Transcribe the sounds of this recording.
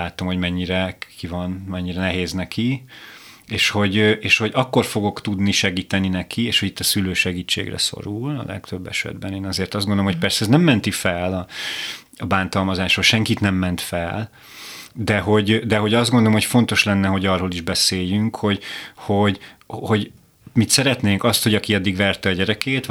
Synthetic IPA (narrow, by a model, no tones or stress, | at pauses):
aːt̪o̞mho̞ɟmɛɲːiɾɛkivɒnmɛɲːiɾɛnɛɦeːznɛkʰi | eːʃho̞ɟøʔeːʃho̞ɟɒkːo̞rfo̞ɡo̞kt̪ud̪niʃɛɡiːt̪ɛninɛkʰieːʃhoit̪ːɒsyløːʃɛɡiːt͡ʃːḛːɡrɛ̰so̞̰ɾulɒ̰lɛ̰kt̪ø̞bːɛ̰ʃɛ̰d̪bɛneːnɒzeːrt̪ɒzdɡonolomoc̚pɛrsɛɛznɛmːɛnt̪ifɛlɒ | ɒbaːnt̪ɒlmɒzaːʃoʃɛŋkit̪nɛmːɛnt̪fɛ̰l | d̪ɛɦo̞ɟd̪ɛɦo̞ɟɒzd̪ɡond̪oomhocfo̞n̪t̪o̞ʃlɛnːɛɦo̞ɟɒrɦoliʒbɛseːjːyŋkho̞ɟho̞ɟho̞ɟ | mit̪sɛɾɛt̪neːŋkɒst̪ho̞ɟɒkiɒd̪ːiɡʋɛrt̪ɛːɟɛɾɛkeːt̪